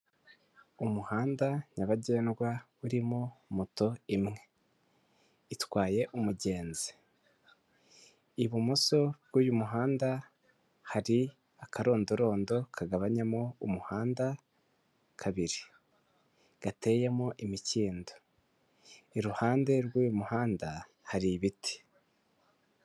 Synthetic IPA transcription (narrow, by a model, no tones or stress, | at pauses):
umuhaːndaɲaβaɟe̞ːnɡwa | uɾimomuto̞imŋe̞ | itwaːje̞ʔumuɟe̞ːnzi̥ | iβumoso̞βɡuːjumuɦaːnda | haɾi | akʰaɾo̞ːndoɾo̞ːndo̞kʰaɡaβaɲamoumuhaːnda | kʰaβiɾi | ɡ̥ate̞jemoʔimiciːndo̥ | iɾuhaːnde̞ɾɡuːjumuhaːnda | haɾiβiti̥